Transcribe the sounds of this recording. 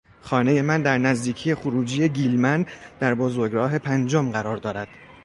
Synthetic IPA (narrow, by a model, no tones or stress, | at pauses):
xɒːne̞je̞mænd̪æɾnæzd̪iːcʰije̞xoɾuːd͡ʒije̞ɟiːlmænd̪̥æɾbozoɾɡɾɒːɦe̞pʰænd͡ʒomɢæɾɒːɾd̪ɒːɾæd̪̥